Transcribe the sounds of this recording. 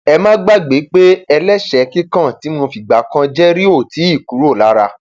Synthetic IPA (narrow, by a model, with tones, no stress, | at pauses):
ɛ˧mãː˦ɡ͡ba˦˨ɡ͡be˨˦k͡pe˦ɛ˧lɛ˦ʃɛ˨kĩ˦kã˦˨ti˨˦mõ˧fi˨ɡ͡ba˨˦kã˦d͡ʒɛ˦ɾi˦o˦˨ti˨˦i˦˨ku˨˦ɾu˦o˦˨la˨˦ɾa˧